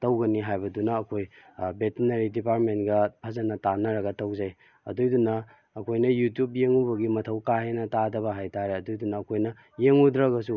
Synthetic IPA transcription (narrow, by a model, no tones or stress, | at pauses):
tɐwɡɐniɦajbɐdunɐːkʰojbetinɐɾidipaɾtmentɡɐpʰɐzɐnɐtanɐɾɐɡɐtɐwzaj | ɐ̰dujdunɐː | kʰojnɐjutjup̚jeŋubɐɡimɐtʰɐwkaɦenɐtadɐbɐɦajtaɾeɐdujdunɐːkʰojnɐ | jeŋudɾɐɡɐsu